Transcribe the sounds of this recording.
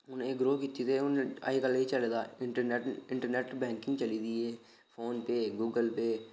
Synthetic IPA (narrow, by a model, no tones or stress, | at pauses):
ʊneːɡɾoːkit̪ːit̪eʊna̰ikəlit͡ʃəled̪aːɪʈəɾneʈɪ̃ɳʈəɾneːʈbɛ̃ːŋkɪ̃ŋɡt͡ʃəlid̪iɛː | fʰoːnpeɡuːɡəlpe